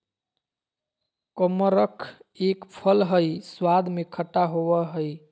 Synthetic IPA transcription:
kəməɾəkʰekpʰəlɦəjswad̪ʱmekʰəʈːaɦoʋəɦəj

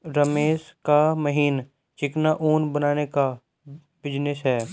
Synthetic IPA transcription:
ɾəmeːʃkaməɦiːn | t͡ʃɪknaʔuːnbənaːneka | bɪd͡ʒnɪsɦɛː

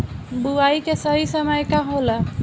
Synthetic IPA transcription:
buajkesəɦisəmajkaɦola

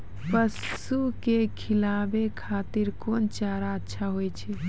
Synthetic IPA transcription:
pəsukekʰilabekʰaːt̪iɾkont͡ʃaɾaətːʃʰaɦojt͡ʃʰɛ

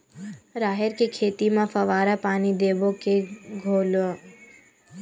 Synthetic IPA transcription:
ɾaːɦɪɾkekʰeːt̪imãfɐʋaːɾapaːnid̪eːʋokeɡʱoːlõ

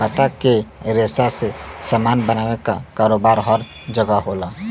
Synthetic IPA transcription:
pɐt̪akeɾeːsasesamaːnbɐnaːʋekakaːɾoːbaːɾɦɔɾ | d͡ʒɐɡaɦoːlaː

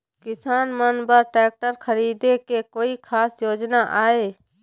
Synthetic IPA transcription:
kɪsaːnmənbəɾʈɛːk̚ʈəɾkʰəɾiːd̪ekekoːikʰaːsjoːd͡ʒnaʔaːeː

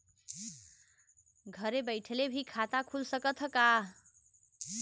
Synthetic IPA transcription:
ɡʱʌɾebəɪʈʰelebʱikʰat̪akʰulsʌkət̪ʰəka

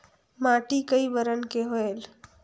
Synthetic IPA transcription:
maʈikəjbəɾənkeɦoel

